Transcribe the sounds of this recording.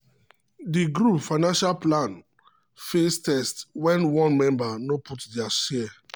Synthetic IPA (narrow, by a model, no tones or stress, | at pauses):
diɡɾupfaɪnãnʃalplãn | festɛstwɛ̃nwɔ̃nmɛ̃mbanoputdiaʃi